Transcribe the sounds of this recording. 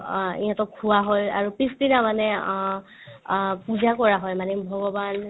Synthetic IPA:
ḭjãtɔkʰuwaɦɔja̰ɹupisdinamanɛ | puzakɔɹaɦɔjmanɛbʱɔɡɔban

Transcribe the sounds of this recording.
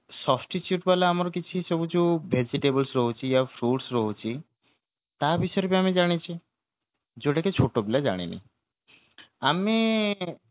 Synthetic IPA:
sɔsʈit͡ʃjuʈbalaamɔɾɔkit͡ʃʰisɔbut͡ʃubʱed͡ʒiʈebəlsɾɔɦut͡ʃʰijafʰɾuʈsɾɔɦut͡ʃʰi | t̪abiʃɔjɾbiamid͡ʒaɽ̃it͡ʃʰi | d͡ʒoɽaket͡ʃʰoʈobilad͡ʒa̰ɽ̃ḭnḭ | ami

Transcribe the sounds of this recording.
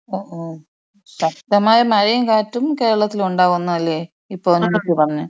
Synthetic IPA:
oːʔoː | ɕɐk̚t̪ɐmaːjɐmɐɻijɐmkaːtːumke̞ːɻɐɭɐt̪ːiluɳɖaːɣunːuɐlːeː | ipːoːnɐmːɐtːɨpɐrɐɲːɐ

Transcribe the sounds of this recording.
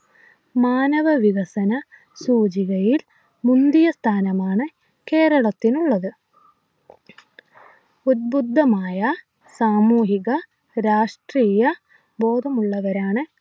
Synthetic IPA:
maːnɐʋɐʋiɣɐsɐnɐ | suːd͡ʑiɣɐjil | mund̪ijɐst̪ʰaːnɐmaːɳɨ | ke̞ːɾɐɭɐt̪ːinuɭːɐðɨ | ud̪̚bud̪ʱːɐmaːjɐ | saːmuːɦiɣɐ | ɾaːʂʈriːjɐ | bo̞ːd̪ʱɐmuɭːɐʋɐɾaːɳɨ

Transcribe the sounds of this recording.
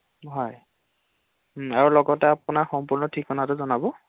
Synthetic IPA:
ɦɔj | m̩aɹulɔɡɔtɛapunaxɔmpuɹnɔtʰikʰːɔnatʊzɔnabɔ

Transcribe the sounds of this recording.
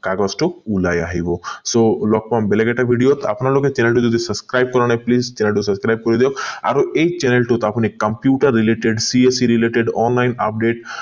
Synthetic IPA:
kaɡɔsʈoulajaɦibɔsolɔk̚pambeleɡeʈabʱiɖijot̪a̰pnaloket͡ʃɛnelʈud͡ʒɔd̪isɐskɾajb̚kɔɾɔñaplizt͡ʃɛnelʈusəskɾajb̚kɔɾid̪eɔka̰ɾuejt͡ʃɛnelʈut̪apnikəmpjuʈəɾːileʈeɖsiesiɾileʈeɖɔnlajna̰p̚ɖeʈ

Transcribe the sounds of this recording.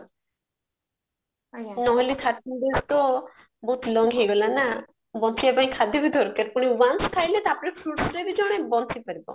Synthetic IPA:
nɔɦɔlit̪ʰaʈ̚kinɖest̪ɔ | bɔt̪lɔŋɡɦeɡɔlana | bɔnt̪ʰiapaj̃kʰad̪ʱibid̪ʱɔɾkeɾpuɽ̃iwanskʰajlet̪apɔɽipʰɾuʈsɾebid͡ʒɔɽ̃ebɔnt̪ʰipaɾibɔ̰

